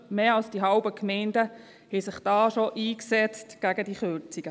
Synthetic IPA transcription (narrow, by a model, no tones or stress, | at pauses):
meːɑlsd̥iɦɑʊbəkʰmɛɪndə | hɛsɪχd̥ɑːʃoʔiːksɛt͡stɡ̥æɡədiχøɾt͡siɡ̥ə